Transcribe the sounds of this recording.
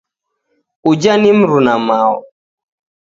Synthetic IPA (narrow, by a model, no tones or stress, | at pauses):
ud͡ʒanimɾunamaw